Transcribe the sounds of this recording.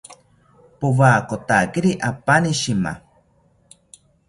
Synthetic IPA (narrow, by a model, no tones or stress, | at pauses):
poβaːkot̪akiɾiʔapaniʃima̰